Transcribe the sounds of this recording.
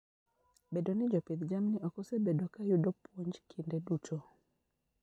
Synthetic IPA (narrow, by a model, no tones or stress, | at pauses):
bedonɪd͡ʒɔped̪d͡ʒamnɪɔkɔsebedokajʊdopwoɲd͡ʒkʰindeduto